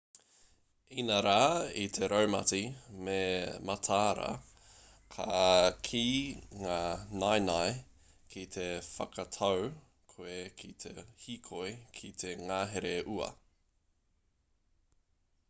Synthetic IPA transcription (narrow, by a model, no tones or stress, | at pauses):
inɐɾaːit̪ʰeɾowmɐ̰timemɐt̪ʰaːɾɐ̰ | kʰakʰiːŋaːnajnaj | kʰit̪ʰe̞fɐ̰kʰɐt̪ʰɐw | kʰoekʰit̪ʰehikʰojkʰit̪ʰeŋaːɦeɾeʔuɐ̰